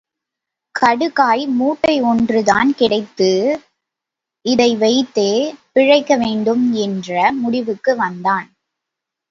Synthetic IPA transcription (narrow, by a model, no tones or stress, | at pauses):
kʰɐɽɯkaːjmuːʈːɐɪɔndrɯða̰ːnkɪɽɐɪt̪ːɯ | ɪðɐɪʋɐɪt̪ːeːpɪɻɐɪkːɐʋeːɳɖɯmɛndrɐmʊɽɪʋɯkːɯʋɐnd̪aːn